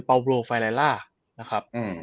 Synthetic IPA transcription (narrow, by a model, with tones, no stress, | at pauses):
pa˧wbɾoː˧˩fa˧la˧laː˥˩ | na˦˥kʰa˦˥p̚ʔɯː˧˩